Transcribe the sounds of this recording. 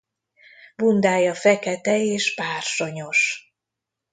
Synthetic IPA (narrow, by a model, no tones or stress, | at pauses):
bund̪aːjɒfɛkɛt̪ɛeːʃpaːrʃo̞ɲo̞ʃ